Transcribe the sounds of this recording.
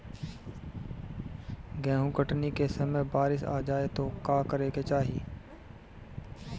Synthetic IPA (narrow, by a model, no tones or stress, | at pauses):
ɡɛ̃ːɦũkəʈnikesɐməjbaːɾɪsa̰ːd͡ʒaːet̪okaːkəɾeːket͡ʃaːɦḭː